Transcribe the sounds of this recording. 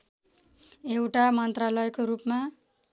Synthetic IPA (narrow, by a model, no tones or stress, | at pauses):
ewʈamʌnt̪ralʌjkoɾupma